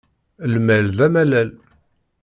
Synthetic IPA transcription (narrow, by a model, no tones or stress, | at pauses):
lmælðæmælæl